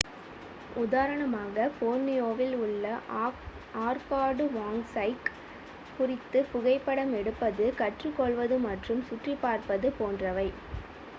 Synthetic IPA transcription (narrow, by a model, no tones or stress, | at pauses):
ʊðaːɾɐɳɐmaːɣɐfoːnːɪjoːʋɪlʊɭːɐ | aːɾkaːɽɯʋaːŋsɐɪk | pʊrɪt̪ːɯpʊɣɐɪpːɐɽɐmɛɽɯpːɐðɯkɐʈrɯkːɔɭʋɐðɯmɐʈrɯmsʊʈripːaːɾpɐðɯpoːndrɐʋɐɪ